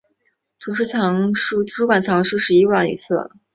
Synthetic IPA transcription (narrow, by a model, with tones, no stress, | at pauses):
t̪ʰu˧˥ʂ̬ɻ̩˥˩t͡sʰɑ˧˥ŋʂu˥t̪ʰu˧˥ʂu˥kwa˨˩nt͡sʰɑ˧˥ŋʂɻu˥˧ʂɻ̩˧˥i˥wa˥˩nḭ˧˥t͡sʰɹ̩˥˩